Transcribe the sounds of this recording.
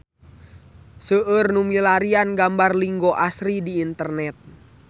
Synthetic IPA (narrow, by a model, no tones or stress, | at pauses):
səʔərnumilaɾianɡambarliŋɡoʔasɾidiːnt̪ərnɛt̪̚